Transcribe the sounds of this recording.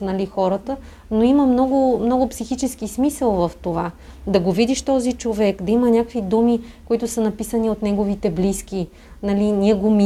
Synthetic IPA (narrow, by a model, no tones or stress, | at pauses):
nɐlixɔɾət̪ə | noiməmnɔɡʊmnɔɡʊpsixit͡ʃɛskismisəlˠvɐft̪ova | d̪ɐɡovid̪iʃt̪ɔzit͡ʃovɛkd̪ɐimənʲakkvid̪umikoit̪ʊsənɐpisəniot̪nɛɡovit̪ɛblisk̟i | nɐlinʲiɛɡomi